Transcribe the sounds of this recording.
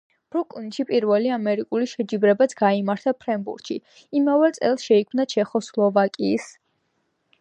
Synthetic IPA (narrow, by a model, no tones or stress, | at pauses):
b̥ɾuk̪ʼinʃipʼiɾvɛliamɛɾikʼuliʃɛd͡ʒibɾɛbat̪sʰɡ̥aimaɾt̪ʰapʰɾɛmbṵɾt̪ʃi | imavɛt̪sʼɛ̰lˠsʃɛikʰmnat͡ʃʰɛχɔslˠɔvakʼiːs